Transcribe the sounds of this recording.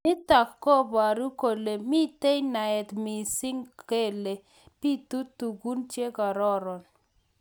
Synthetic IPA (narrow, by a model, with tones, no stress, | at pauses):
mɪ˦ta˨kːɔ˦ba˨ɾu˦ko˨le˨mi˦t̪e˦jna˨ɛ˨t̪mi˨sɪ˦ŋke˦˨le˨ | pi˦t̪u˦tu˨ɡu˦nt͡ʃje˦ka˨ɾɔ˦ɾɔ˨n